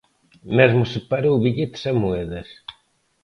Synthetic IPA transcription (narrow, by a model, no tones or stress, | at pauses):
mezmʊsepaɾowβiʎet̪ɪ̥samuɛðɐs